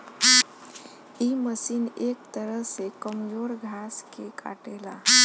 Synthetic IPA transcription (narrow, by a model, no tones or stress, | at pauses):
iməsiːnekt̪əɾəɦsekəmjoɾɡʱaskeka̰ʈela̰